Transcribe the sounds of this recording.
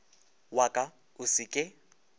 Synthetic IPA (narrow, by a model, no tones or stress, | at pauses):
wakʼa | ʊsɪkʼɪ